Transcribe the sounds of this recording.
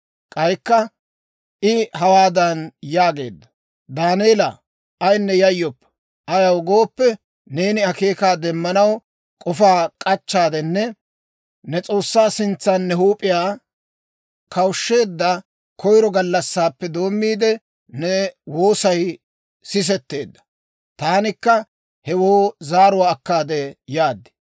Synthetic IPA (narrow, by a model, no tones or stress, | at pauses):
kʼɐjkːɐ | ʔɪhɐwaːd̪ɐnjaːɡe̞ːd̪ːɐ | d̪aːneːlɐ̰ | ʔɐjnːɛjɐjːɔpː | ʔɐjɐwɡo̞ːpːɛ | ne̞ːnɪɐke̞ːkaːd̪ɛmːɐnɐw | kʼɔfaːkʼɐt͡ʃːaːd̪ɛnːɛ | nɛt͡sʼo̞ːsːaːsɪnt͡sːaːnːɛhuːpʼɪjaː | kɐwʃːe̞ːd̪ːɐ | kɔjɾɔɡɐlːɐsːaːpːɛd̪o̞ːmːiːd̪ɛ | nɛwoːsɐj | sɪs̬ɛt̪ːe̞ːd̪ːɐ̥ | t̪aːnɪkːɐ | hɛwoːzaːɾʊwaːkːaːd̪ɛjaːd̪ːɪ̥